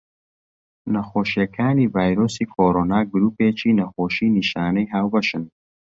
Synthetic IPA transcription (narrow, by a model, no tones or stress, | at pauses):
nɐxoːʃijɐkʰaːniːvaːjɾoːsiːkʰoːɾoːnaːɡʊɾuːpeːt͡ʃiːnɐxoːʃiːniʃaːnɐjɦaːwbɐʃɨn